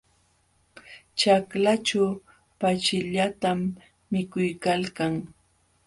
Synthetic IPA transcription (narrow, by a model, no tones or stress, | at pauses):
t͡ʃaklat͡ʃaw | pat͡ʃɪʎat̪amː | ɪkʊjkalkaŋ